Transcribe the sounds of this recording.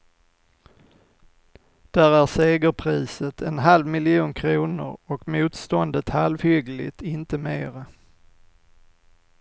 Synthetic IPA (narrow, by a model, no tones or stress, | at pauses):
d̪̥æɾæɾseːɡəɾpʰɾiːsət̪ʰɛnɦalvmɪlɪuːnkʰɾuːnʊ̰ɾɔkmuːt̪st̪ɔnd̪ət̪halvhʏɡlɪ̰t̪ɪnt̪əmeːɾa